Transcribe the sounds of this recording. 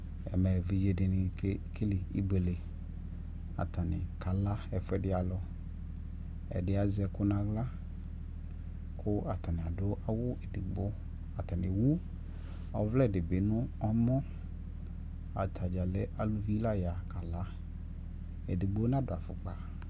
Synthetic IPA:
ɛ̰˨mɛ˨vi˨d͡ʒe˨dɪ˨nɪ˨kkʰe˦li˨i˦be˨le˨ | a̰˨t̪a˨nɪ̰˨ka˨la˦ɛ˨fɛ˦dɪ˦a˨lɔ˨ | ɛ̰˨dɪ˦a˨zɛ˨kʊ˦nã˨ɣla˦ | kʰʊ˦a˨t̪a˨nɪ˨a˨do˦ʔa˨wʊ˦e˨di˨ɡ͡bo˦ | a˨t̪a˨nɪ̃˨wu˦ | ɔ˨vlɛ˦˨dɪ˨bɪ˨nʊ̃˦ɔ˦mɔ̃˦ | a̰˨t̪ʰa˨d͡ʒa˨le˦ʔa˨lu˦vi˦la˦ja˨ka˨la˦ | e˨di˨ɡ͡bo˦nã˦dʊ˨a˨fʊ˨k͡pa˨

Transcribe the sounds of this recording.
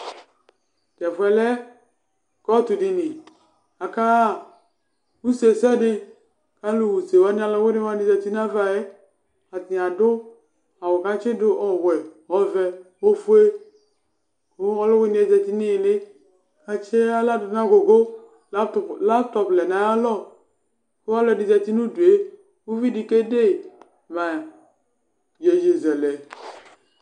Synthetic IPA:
d͡ʒɛ˨fʊ˨˦ɛ˨lɛ˦ | kɔ˦tu˨dɪ˨nɪ˨ | a˨ka˦˨ | u˦se˨sɛ˦nɪ˦ | ka˦lu˦˨wu˨se˨wa˦nɪ˦a˨lɔ˦we˦nɪ˦wa˦nɪ˦d͡ʒɛ˨ti˦na˦va˨ɛ˦ | a˨tɪ˨a˨dʊ˦ | a˨wɔ˨ka˦t͡ʃɪ˦dʊ˦ʔɔ˨wɛ˨ | ɔ˨˦vɛ˨wo˦fu˦e˦ | ko˦ɔ˦lɔ˦we˦ni˦ɛ˨zɛ˨ti˦nɪ˦jlɪ˦ | a˨t͡ʃe˦a˦la˦dʊ˨˦na˦ɡo˨ɡo˦˨ | la˦ptɔ˨plɛ˨na˨˦a˦lɔ˦˨ | ko˦a˦lɔ˨dɪ˨zɛ˨ti˦nu˦du˨e˦ | u˦vi˦di˨ke˦de˦˨ | ma˨ | je˨d͡ʒe˨zɛ˨lɛ˨

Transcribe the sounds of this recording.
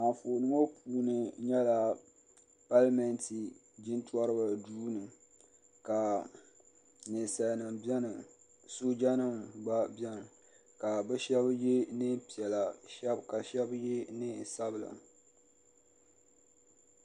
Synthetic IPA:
a˨fo˨nɨ˦mo˦pʰuː˦nɨ˨ɲɛ˦la˨ | pa˦lmɛ˦nti˨ | d͡ʒi˦ntwɔ˦ɾɨ˦ba˨duː˦nɨ˨ | ka˨ | nɨ˨sa˨nɨ˨bɛ˦nɨ˨ | so˦d͡ʒa˦nɨ˦mɡ͡ba˦bɛ˦n˨ | ka˨bɛ˦ʃɛ˦bje˦nɨ˦pi˨ɛ˨la˨ʃɛ˦bka˨ʃɛ˦bje˦nɨ˦˨sa˦bla̰˨

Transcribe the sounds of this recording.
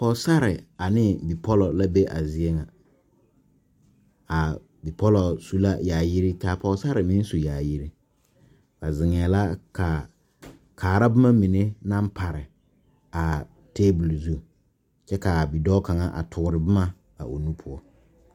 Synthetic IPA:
pɔ˨sa˦ɾɪ˨a˨nɪ˦bi˨pʰɔ˦lɔ˨la˦be˦ʔa˨zɪ˨ɛ˦ŋã˨ | a˨ | bi˨pʰɔ˦lɔ˨su˦la˦jaː˨ji˦ɾi˦taː˨pɔ˨˦sa˦ɾɪ˨mĩ˦n˦su˨jaː˨ji˦ɾi˦ | ba˨zɪ˨ŋɛː˨la˦kʰa˨ | kʰaː˨ɾa˦bɪ˦mã˦mĩ˨ne˦nã˦m˦pʰa˨ɾɪ˨ | a˨ | tʰeː˦bʊ˨lzu˨ | t͡ʃɛ˦ka˨bi˨dɔː˦ka˨ŋa˦ʔa̰˨tʰʊ˨ɾɪ˨bɪ˦ma˦ | a̰˨ʔo˨nũ˦pʰʊ˨ɔ˦

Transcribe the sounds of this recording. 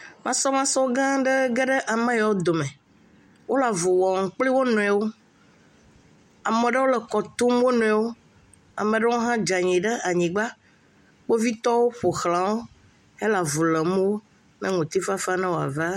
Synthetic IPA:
mã˦sɔ˦mã˦sɔ˦ɡã˦ɖə˦ɡɛ˦ɖə˦ʔa˨mɛ̃˦ja˨˦o˦d̪o˨mɛ̃˨ | wo˦la˨vu˨wɔ˨ŋ̩˨k͡pli˦wo˦nɔ̃˨ɛ˨wo˦ | a˨mẽ˨ɖə˦wo˦lə˨kɔ˨t̪u˦m˦o˦nɔ̃˨ɛ˨wo˦ | a̰˨mẽ˨ɖə˦wo˦ɦã˦d͡ʒa˨ɲĩ˨ɖə˦ʔa˨ɲĩ˨ɡ͡ba˦ | k͡po˦vi˦t̪ɔ˦wo˦ɸo˨xlã˨wo˦ | ɛ˦la˨vu˨lə˨mũ˦wo˦ | nɛ̃˦ŋũ˨t̪i˦fa˦fa˦nã˦wo˨a̰˨va˦

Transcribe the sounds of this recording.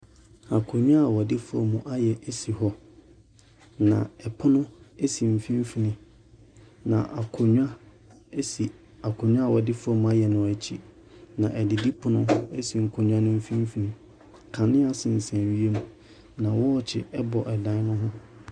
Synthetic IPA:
a˨kʰo˨ɲᶣ˦ã˦a˨wɔ˨dɪ˦fʊ˦ɔ̰˨mũ˨ʔa˦jɛ˨ʔe˦si˨ɦɔ˦ | nã̰˨ɛ˨pʰʊ˦nʊ̃˦e˦si˨m̩˨fĩ˦m˦fi˦nɪ̃˦ | nã̰˨ʔa˨kʰʊ˨ɲᶣa˦ | si˨ | a˨kʰʊ˨ɲᶣ˦ã˦˨wɔ˨dɪ˦fʊ˦ɔ˦mũ˨a˦jɛ˨nʊ̃˨æ˨t͡ɕʰi˦ | nã˨ʔɛ˨dɪ˨di˦pʰʊ˦nʊ̃˦e˦si˨ŋ̩˨kʰo˨ɲᶣ˦ã˦nʊ̃˦m̩˦fĩ˦m̩˦fi˨nɪ̃˨ | kʰã˨nɪ̃˦a˨sɪ̃˨n̩˨sɛ̃˨ɥi˦e˦mũ˦ | nã˨wɔ˦˨t͡ɕʰɪ̰˨ɛ˦bɔ˨ʔɛ˨dã˨˦nʊ̃˦ɦʊ̃˦

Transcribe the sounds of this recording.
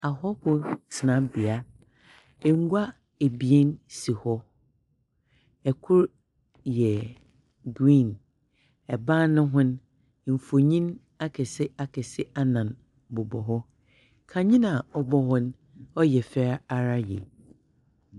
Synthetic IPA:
a˨ɦɔ˦hʊ̃˦sʰɪ˨nã˦bi˨a˦ | ɛ˨ŋ̩˦ɡʷa˦ | e˨bi˨e˦nsi˨hɔ˦ | ɛ˨kʰʊ˦ɾ | jɛ˨ | ɡɾĩ˦˨n | ɛ˨bã˦nʊ̃˦ɦʊ̃˦n | m̩˨fo˨ɲĩ˦n | a˦kʰɛ˨sɪ˦a˨kʰɛ˨sɪ˦a˦nã˨n | bʊ˨bɔ˨ɦɔ˦ | kʰã˨ɲĩ˦nã˨ɔ˦bɔ˦hɔ̃˦n˦ | ɔ˦jɛ˨fɛ˦a˨ɾa˦jɛ̰˨

